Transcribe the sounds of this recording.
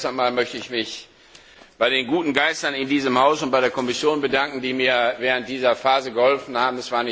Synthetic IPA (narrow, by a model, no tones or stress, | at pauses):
stamaːlmœçtəɪçmɪç | b̥aɪɾeːnɡuːtn̩ɡaɪstɐnɪndiːzəmhaʊsʊnt̚b̥aɪɾeːɐkʰɔmɪsjoːnbədaŋkŋ̩d̥iːmiːɐvɛːʁ̞ənt̚d̥iːzɐfaːzəɡəhɔlfn̩haːbm̩ɛsv̥aːɐnɪ